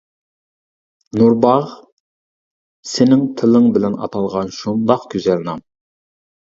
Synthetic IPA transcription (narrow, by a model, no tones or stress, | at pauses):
nuɾbɑʁ | sɪnɪŋt̪ʰɪlɪŋbɪlɛnɑ̰t̪ʰɑlˠʁɑnʃund̪ɑqkʲʰyzɛlnɑm